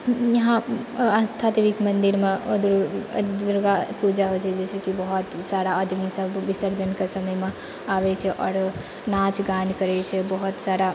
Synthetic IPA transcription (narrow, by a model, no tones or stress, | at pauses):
jəɦããnst̪ʰat̪eʋikmənd̪iɾmeod̪uɾ | uɾɡapud͡ʒaɦot͡ʃʰɛd͡ʒɛsɛkibəɦut̪saɾaəd̪ʱmisəbːisəɾd͡ʒənkesəməjme | abɛt͡ʃʰɛʔɔːɾ | nat͡ʃɡankəɾɛt͡ʃʰɛbəɦut̪saɾa